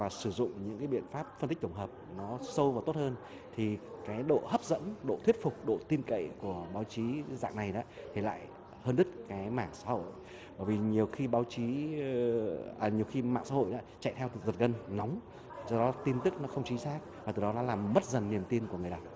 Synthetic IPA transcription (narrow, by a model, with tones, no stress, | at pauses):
vaː˨˩sɨ˧˩zʊ̰˧˨ŋ͡mɲɨ̰˧˥ŋkaː˨˦jɓḭ˧˨ənfaː˦˥p̚fə˧nt̪i˦˥k̚t̪ə˧˩ŋ͡mɦəː˨˩p̚nɔ˨˦sə˧wvaː˨˩t̪o˦˥t̚həː˧n | t̪ʰi˨˩kaː˨˦jɗo̰˧˨həː˦˥p̚zə̰˧˥nɗo̰˧˨t̪ʰwi˦˥ət̚fʊ˨˩k͡p̚ɗo̰˧˨t̪i˧nkə̰˧˨jku˧˩əɓaː˨˦wt͡ɕi˨˦za̰ː˧˨ŋna˨˩jɗa̰ː˨˦t̪ʰi˨˩la̰ː˧˨j | həː˧nɗɨ˦˥t̚kaː˨˦jmaː˧˩ŋsa̰ː˧˥ho̰˧˨j | ɓəː˧˩jvi˨˩ɲi˨˩əwxi˧ɓaː˨˦wt͡ɕi˨˦˨ | ɲi˨˩əwxi˧ma̰ː˧˨ŋsa̰˧˥ho̰˧˨jɗɔ̰ː˨˧˦t͡ɕa̰˧˨jt̪ʰɛ˧wt̪ɨ˨˩zə˨˩t̚ɣə˧nːɔ˨˦wŋ͡m | zɔ˧ɗɔ˨˦t̪i˧nt̪ɨ˦˥k̚nɔ˨˦xə˧wŋ͡mt͡ɕi˨˦nsaː˦˥k̚vaː˨˩ɨ˨˩ɗɔ˨˦nɔ˨˦laː˨˩mmə˦˥t̚zə˨˩nːi˨˩əmt̪i˧ənku˧˩ŋ˨˩əjɗa˨˩w